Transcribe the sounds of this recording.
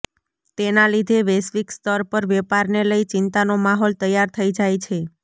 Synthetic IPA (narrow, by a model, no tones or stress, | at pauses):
t̪enalid̪ʱeʋesʋikst̪əɾpəɾʋɛpaɾneləit͡ʃɪnt̪anomaɦɔlt̪əjːaɾt̪ʰəid͡ʒajt͡ʃʰe